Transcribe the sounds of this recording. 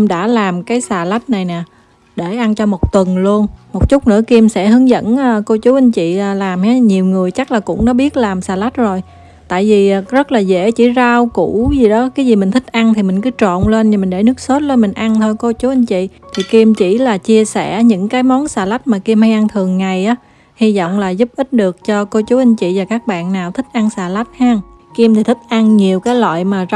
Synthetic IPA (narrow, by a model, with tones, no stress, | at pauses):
mɗa̰ː˧˥laː˨˩mkaː˨˦jsaː˨˩la˦˥t̚na˨˩jnɛ˨˩ | ɗe˧˩ʔa˧nt͡ɕɔ˧mo˨˩t̚t̪wə˨˩nlu˧ənmo˨˩t̚t͡ɕʊ˦˥k͡p̚nɨ̰˧˥əki˧msɛ̰˧˥ɦɨ˨˦əŋzə̰˧˥nː˨ko˧t͡ɕu˨˦ʔa˧ŋt͡ɕḭ˧˨aː˨˩laː˨˩mha˨˦ɲi˨˩əwŋɨ˨˩əjt͡ɕa˦˥k̚laː˨˩kʊ̰˧˥ŋ͡mnɔ˨˦ɓi˦˥ət̚laː˨˩msaː˨˩la˦˥t̚zo˨˩j | t̪a̰ː˧˨jvi˨˩ʔzə˦˥t̚laː˨˩zḛ˧˥t͡ɕḭ˧˥zaː˧wkṵ˧˩˥zi˨˩ɗɔ˨˦kaː˨˦jzi˨˩mï˨˩ŋ̟t̪ʰi˦˥k̟̚ʔa˧ŋt̪ʰi˨˩mï˨˩ŋ̟kɨ˨˦t͡ɕo̰˧˨nle˧nɲ˧˩mï˨˩ŋ̟ɗe˧˩nɨ˦˥ək̚so˦˥t̚le˧nmï˨˩ŋ̟ʔa˧ŋt̪ʰo˧jko˧t͡ɕu˨˦ʔa˧ŋ̟t͡ɕḭ˧˨t̪ʰi˨˩ki˧mt͡ɕḭ˧˩laː˨˩t͡ɕi˧əsɛ˧˩ɲɨ̰˧˥ŋkaː˨˦jmɔ˨˦nsaː˨˩la˦˥jt̚maː˨˩ki˧mha˧jʔa˧ŋt̪ʰɨ˨˩əŋːa˨˩jʔaː˨˦ | hi˧zɔ̰˧˨wŋ͡mlaː˨˩zu˦˥p̚ʔi˦˥t̚ɗɨ˨˩ək̚t͡ɕɔ˧ko˧t͡ɕu˨˦ʔa˧ŋt͡ɕḭ˧˨vaː˨˩kaː˦˥k̚ɓa̰ː˧˨nːaː˨˩wt̪ʰï˦˥k̟̚ʔa˧ŋsaː˨˩la˦˥jt̚haː˧ŋ | ki˧mt̪ʰi˨˩t̪ʰï˦˥k̚ʔa˧ŋɲi˨˩əwkaː˨˦jlwa̰ː˧˨jmaː˨˩z